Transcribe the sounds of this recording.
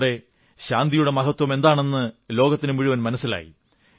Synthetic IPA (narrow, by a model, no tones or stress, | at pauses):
ɽe̞ | ɕaːnd̪ijuɽe̞mɐɣɐt̪ːwɐme̞nd̪aːɳe̞nːɨlo̞ːɡɐt̪ːinɨmiɻuʋɐnmɐnɐsːila̰ːjḭ